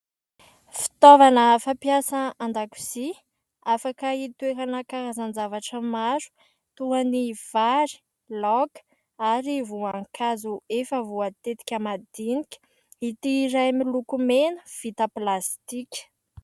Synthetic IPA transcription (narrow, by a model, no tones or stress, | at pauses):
fi̥t̪ovanəfapjasəand̪aku̥si | afakəit̪ueɾanəkaɾazanzavaʈ͡ʂəmaɾu̥ | t̪uaniv̥aɾi̥ | lɔk | aɾivuaŋkʰazuefəvuat̪et̪i̥kʲamad̪inikʲə̥ | it̪iɾajmilukumenəv̥it̪əplast̪ikʲə̥